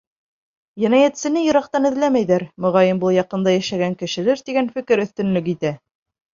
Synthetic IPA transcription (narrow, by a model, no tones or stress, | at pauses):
jæ̆næjæt̪sɘ̆nɘjɤ̆ɾɑq̚t̪ɑnɘ̆ðlæmæjðæɾmŏʁɑjɘmbɤlˠjɑqɤ̆nd̪ɑjæʃæɡæŋkɘ̆ʃɘ̆læɾt̪iɡænfɘ̆kɘɾɵ̆θt̪ɵ̆nlɵk̬it̪æ